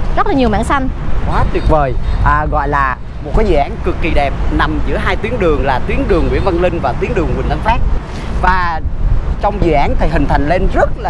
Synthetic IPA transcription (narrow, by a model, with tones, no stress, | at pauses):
zə˦˥t̚laː˨˩ɲi˨˩əwma̰ː˧˥ŋsa˧nkwaː˨˦t̪i˨˩ət̚vəː˨˩jʔəː˨˩ɣɔ̰˧˨jlaː˨˩ | mo˨˩kaː˨˦jzɨ̰˧˨ʔːnkɨ˨˩kːi˨˩ɗɛ˨˩p̚na˨˩mzɨ̰˧˥əɦaː˧jt̪wi˨˦əŋɗɨ˨˩əŋlaː˨˩t̪wi˨˦ənɗɨ˨˩əŋwḭ˧˥ənvə˧nlï˧ŋ̟vaː˨˩t̪wi˨˦əŋɗɨ˨˩əŋwi˨˩nt̪ə˧nfaː˦˥k̚ | vaː˨˩ | t͡ɕɔ˧wŋ͡mzɨ̰˧˨ʔaː˨˦nt̪ʰi˨˩ɦï˨˩ŋ̟t̪ʰa˨˩jŋ̟le˧nzə˦˥t̚laː˨